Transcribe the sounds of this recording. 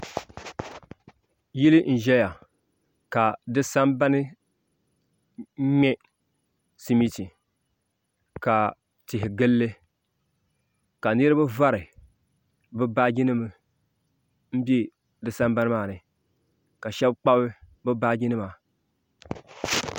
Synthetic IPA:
ji˦lɨ˦n̩˨ʒɛ˦ja˨ | ka˨dɨ˦sa˦mba˦nɨ˦ | ɲɛ˦ | si˦mi˦ti˨ | ka˨ | tɪ˨ɦɪ˨ɡɨ˦lːɨ˦ | ka˨nɨ˦ɾɨ˦bɨ˦va˦ɾɨ˨ | bɨ˦ba˦ɡi˦nɨ˦mɨ˨ | m̩˦bi˦ | dɨ˨sa˦mba˦nɨ˦maː˦˨nɨ˨ | ka˨ʃɛ˦bk͡pa˦bɨ˦ | bɨ˦ba˦ɡi˦nɨ˦ma˨

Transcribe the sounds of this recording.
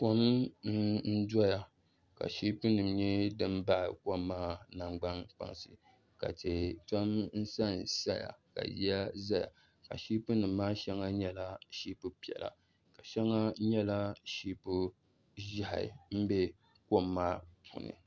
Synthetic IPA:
ko˦mn̩˦n̩˦dɔ˦ja˨ | ka̰˨ʃi˦pɨ˦nɨ˨mɲɛ˦dɨ˦m˦ba˦ʔko˦mːaː˦na˨ŋ͡mɡ͡ba˦nk͡pa̰˨ŋsɨ˨ | ka̰˨te˨to˦mn̩˦sa˦˨n˨sa˦ja̰˨ka̰˨ji˦a˦za˦ja̰˨ | ka̰˨ʃi˦pɨ˦nɨ˨mː˦aː˦ʃɛ˦ŋa˦ɲɛ˦la˦ʃi˦pɨ˦pi˨ɛ̰˨la̰˨ | ka˨ʃɛ˦ŋa˦ɲɛ˦la˦ʃiː˦pu˦ | ʒa˦ha̰˨m̩˦bɛ˦ | ko˦mːaː˦pʰṵ˨nɨ̰˨

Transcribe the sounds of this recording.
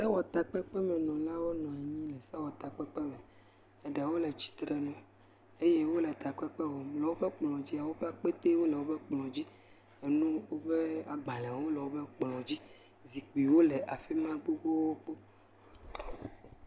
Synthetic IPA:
sa˦wɔ˨t̪a˨k͡pɛ˦k͡pɛ˦mɛ̃˨nɔ̃˨la˦wo˦nɔ̃˨a˨ɲĩ˦lɛ˨sa˦wɔ˨t̪a˨k͡pɛ˦k͡pɛ˦mɛ̃˨ | ɛ˨ɖɛ˨wo˦lɛ˨t͡ɕi̥˨t̪ɾɛ˨nɔ̃˨ | e˦je˦wo˦lɛ˨t̪a˨k͡pɛ˦k͡pɛ˦wo˨mlɛ˨wo˦ɸɛ˦k͡plɔ̃˨d͡ʑi˦a˨wo˦ɸɛ˦a˨k͡pe˦t̪e˦wo˦lɛ˨wo˦bɛ˦k͡plɔ̃˨d͡ʑi˦ | e˨nũ˦wo˦ɸe˦a˨ɡ͡ba˨lã˨wo˦lɛ˨wo˦bɛ˦k͡plɔ̃˨d͡ʑi˦ | zi˨k͡pi˨wo˦lɛ˨ʔa˨fi˦mã˦ɡ͡bo˦ɡ͡bo˦wo˦k͡po˦

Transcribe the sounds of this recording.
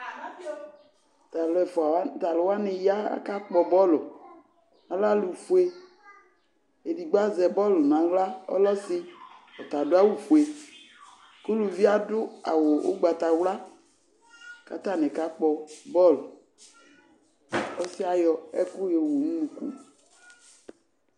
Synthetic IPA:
t̪a˨lɔ˨ɛ˨fɔ˨a˨˦t̪a˨lʊ˨wa˦ne˨ja̰˦ka˦k͡pɔ˨bɔ˦lʊ˨ | a˨la˦lu˨fu˦e˦ | e˨di˨ɡ͡ba˦zɛ˨bɔ˦lnã˨wla˦ɔ̰˦lɔ˦si˦ɔ˨t̪a˨dʊ˦a˦wu˦fu˨e˨ | ko˦lu˨vi˦a˦dʊ˦a̰˨wo˨wo̰˦ɡ͡ba˨t̪a˨wla˦ | ka̰˨t̪a˦˨nɛ˨ka˦k͡pɔ˨bɔ˦lo˨ | ɔ˦si˦a˨jɔ˨ɛ˦ku˦je˨wo˨nũ˦nũ˨kṵ˦

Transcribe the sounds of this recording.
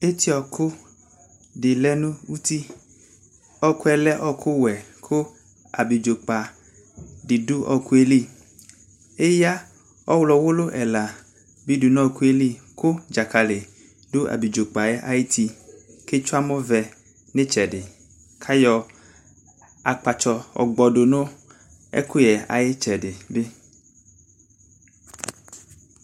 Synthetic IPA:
e˦t̪i˦ɔ˨kʰo˦ | ɖɪ˨lɛ˦nũ˦wu˦t̪i˦ | ɔ˦ku˦ɛ˨lɛ˦ʔɔ˦kʰo˦wɛ˨kʰo˦ | a̰˨bi˨d͡ʒo˨k͡pa˨ | ɖɪ˨do˦ʔɔ˨ku˦e˦li˦ | e˦ja˦ | ɔ˦wlɔ˨wo˦lo˦ʔɛ˨la˨ | bi˦du˨nɔ̃˦˨ku˦e˦li˦ | ko˦d͡ʒa˨ka˨le˨ | do˦a̰˨bi˨d͡ʒo˨k͡pa˨ɛ˦ʔa̰˦je˦t̪i˦ke˦t͡ʃo˦a˦mɔ̃˦vɛ˨ | ne˦t͡ʃɛ˨ɖɪ˨ | kʰa˦jɔ˨ | a˨k͡pa˨t͡ʃɔ˨ɔ̰˨ɡ͡bɔ˨ɖo˨nõ˦ | ɛ̰˦ku˦jɛ˨a̰˨je˦t͡ʃɛ˨ɖe˨be˦

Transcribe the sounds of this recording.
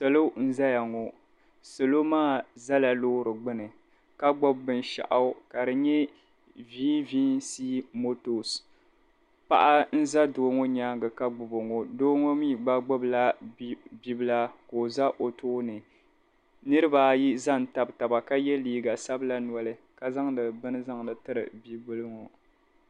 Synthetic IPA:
sɛ˨lo˦n̩˦za˦ja˨ŋo˨ | so˨lo˦maː˦˨za˦la˨loː˦ɾɨ˨ɡ͡bɨ˦nɨ˨ | ka˦ɡ͡bɔ˦bːɨ˦n˦ʃa̰˨ʔa˨˦ka˨dɨ˨ɲɛ˦ | viː˦viː˦nsi˦mo˦to˨s | pa̰˦ʔa˦n̩˦za˦doː˨˦ŋo˦ɲaː˦ŋɡɨ˨ka˦ɡ͡bʊ˨bo˨ŋo˨doː˦ŋo˦miː˦ɡ͡ba˦ɡ͡bʊ˦bla˦ | bi˦bɨ˦la˦ko˨za˦ʔo˨tʰoː˦nɨ˨ | nɨ˦ɾɨ˦ba˨ji˦za˦˨n˨ta˨bta˨ba˨ka˦jɛ˦liː˦ɡa˨sa˦bɨ˦la˦nwɔ˨lɨ˦ | ka˨za˦ŋdɨ˨bɨ˦nɨ˦za˦ŋdɨ˨tɨ˦ɾɨ̰˨bi˦bɨ˦lɨ˦ŋo˨

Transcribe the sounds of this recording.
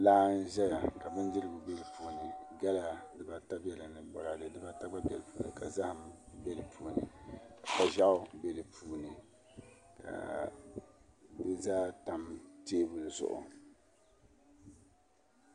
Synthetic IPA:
laː˦n̩˦ʒɛ˦ja˨ka˨bɨ˦n˦dɨ˦ɾɨ˦ɡʊ˨bɛ˦lɨ˨puː˨nɨ˨ɡa˦la˦dɨ˨ba˨ta˦bɛ˦lɨ˨nɨ˨bɔ˨ɾa˨lɨ˨dɨ˨ba˨ta˦ɡ͡ba˦bʲɛ˨lpuː˨˦˨nɨ̰˨ka˨za˦hɨ˨mbɛ˦lɨ˨pʰuː˨nɨ˨ka˨ba˦ʒa˦ʊ˦bɛ˦˨lɨ˨puː˨nɨ˨ | kʰa̰˨ | bɨ˦zaː˦ta˨mteː˦bʊ˨lɨ˨zʊ̰˨ʔʊ̰˨

